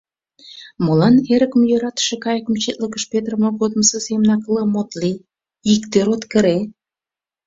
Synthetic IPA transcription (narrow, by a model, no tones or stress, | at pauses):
molɑneɾəkə̆mjøɾɑt̪ə̥ʃekɑjəkə̆mt͡ɕet̪ləkəʃpet̪rəmoɣod̪məsəsemənɑkləmot̪li | ikt̪eɾot̪kə̆ɾe